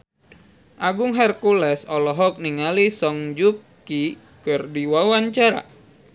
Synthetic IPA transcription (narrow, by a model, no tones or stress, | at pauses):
ʔaɡuŋɦɛrkulɛsɔlɔɦɔk̚niŋalisɔŋd͡ʒukː | i | kɨrdiwawaɲt͡ʃaɾa̰